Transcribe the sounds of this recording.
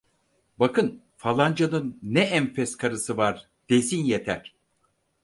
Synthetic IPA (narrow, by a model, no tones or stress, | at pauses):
bakɯn | falˠand͡ʒanɯnːɛæmfɛskʰaɾɯsɯvaɾ | d̪̥ezinjet̪ʰæɾ̥